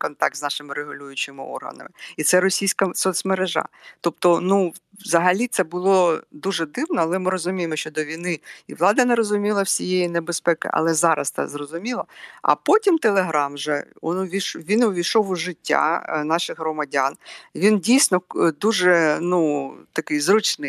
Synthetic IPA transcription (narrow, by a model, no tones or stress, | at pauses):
kɔnt̪ɑk̚t̪znɑʃɪmɪɾeɦʊlʲujʊt͡ʃɪmɪɔ̰rɦɐ̰nɐ̰mɪit̪sɛɾɔsʲijsʲkɐsɔsmeɾeʒɑ̰t̪ɔpt̪ɔnu | zɐɦɐlʲit̪sɛbʊlˠɔd̪uʒɛd̪ɪwnɔɐlˠɛmɪɾɔzʊmʲijemɔʃt͡ʃɔd̪ɔʋʲijnɪiʋlˠɑd̪ɐnɐɾɔzʊmʲilˠɐwsʲijejinebespɛkɪ̰ʔɐ̰lˠɛzɑɾɐ̰st̪ɛ̰zrɔzʊmʲilˠɐɐ̰pɔtʲimt̪elˠeɦɾɑmʒɛ̰ɔnʊʋʲiʃʋʲinʊʋʲiʃɔwʊʒɪtʲːa̰nɑʃɪɣɦrɔmɐdʲanʋʲindʲijsʲnɔd̪uʒɛnut̪ɐkɪjzɾut͡ʃnɪj